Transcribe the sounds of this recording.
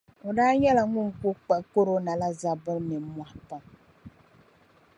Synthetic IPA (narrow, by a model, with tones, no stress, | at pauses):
o˨daː˦ɲɛ˦la˨ŋʊ˦ŋku˦k͡pɛ˦ʔko˦ɾo˦na˨la˦za˦bɨ˦nɨ˨˦mwa˨ʔpɔ˨ŋ